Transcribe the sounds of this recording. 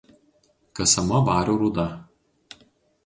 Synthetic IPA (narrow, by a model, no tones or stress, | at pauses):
kɐsɐmɐʋɑːɾʲoɾuːd̪ɐ